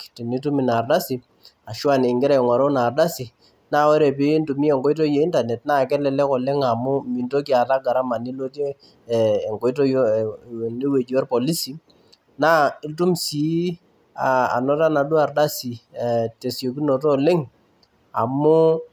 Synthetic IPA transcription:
ti˨ni˦tu˦mi˨na˨rda˦si˨ | a˨ʃu˦a˨nɪ˨ŋɡɪ˦ɾa˨ŋɔ˨ɾo˦na˨rda˦si˨ | na˦˨wɔ˦ɾe˨p̬i˦ntu˨mi˦e˨ŋɡɔ˦i˦t̬o˦je˨˦i˦nta˨nɛ˨tna˦˨kɛ˦lɛ˨lɛ˦kɔ˨le˦ŋa˨mʊ˦mi˨nto˦k̬i˦a˨ta˦ɡa˨ɾa˦ma˨ni˦lo˦teː˦˨ | ŋɡɔ˨i˦to˦jo˦˨ni˦we˨d͡ʒɔ˦rpɔ˨li˦si˨ | na˦ɪ˦ltu˦msi˨˦ | a˨a̰˨nɔ˦ta˦na˨du˦a˨rda˦si˨te˨sjo˨k̬i˦no˨tɔ˦lɪ˦ŋ | a̰˨mʊ˦

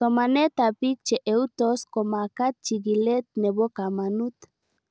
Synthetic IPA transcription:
to˨ma˨nɛ˦t̪a˨pi˦k̚t͡ʃe˨ʔe˨u˦t̪o˦sko˨ma˨ka˦t̪̚t͡ʃi˨ɡi˨lɛ˦t̪̚nɛ˨bo˦ka˨ma˨nu˦t̪

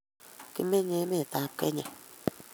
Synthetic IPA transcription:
ki˧mẽ˦ɲẽ˧˦mẽ˦˨t̪ã˨˧pke˦ɲã˨

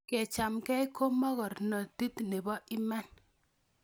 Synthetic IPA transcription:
kɛ˨t͡ʃa˨mkɛ˦jko˦mɔ˦ɣɔ˨rnɔ˨ti˦tne˨bɔ˦ʔɪ˦mɛ˦n

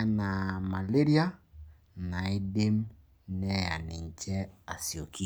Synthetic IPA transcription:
na˨ma˨le˦ɾi˦a˦ | na˨e˦de˦m | nɛ˦a̰˨ni˨ɲ˨t͡ʃɛ˦a˨si˨o˨ki˦

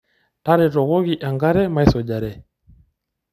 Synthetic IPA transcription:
ta˦ɾɛ˨tɔ˨ɣɔ˦ɣi˨ʔa˨ŋɡa˦ɾɛ˦ma˦i˦sɔ˨ʄa˨ɾɛ˨

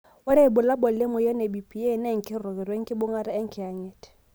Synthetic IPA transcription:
ʊ˦ɾɛ˦˨bʊ˨la˦bɔ˨lɪ˦mɔ˨jɔ˦nɛ˨bi˨pʰʼi˨e˦˨nɛ˦ŋ̩˨kʼɪ˦rʊ˨ɣɛ˨ɾwe˦ŋ̩˦kʼɪ˦bʊ˦ŋa˦ɾa˦ɛ˦ŋ̩˦kʰɪ˨a˨ɲɛ˨tʰʼɛ̥˨

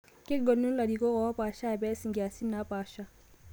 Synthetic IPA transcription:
kɪ˦ɡɔ˨nːu˦n̩˦la˨di˨kɔ˦ɣɔ˨wa˦paː˨ʃa˦˨bɛ˦si˨ŋɡi˨a˨si˦nːa˦paː˦ʃa˦

